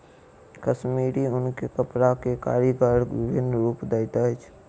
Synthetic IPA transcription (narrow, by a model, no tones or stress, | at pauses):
kəsmiːɾiʊnkekəpɾakeka̰ːɾikəɾʋɪbʱɪnɾuːpd̪əɪt̪at͡ʃʰ